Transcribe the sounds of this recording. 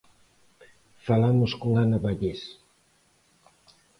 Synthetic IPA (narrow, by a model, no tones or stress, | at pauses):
falamʊskoŋanaβaʎes